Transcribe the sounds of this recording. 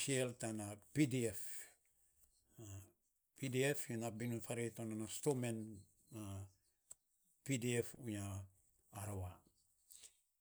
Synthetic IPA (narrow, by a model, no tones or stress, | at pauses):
ʃieltanapidiɛf | pidiɛfjunabinufaɾetonanastomen | a | pidiefuɲa | aɾowa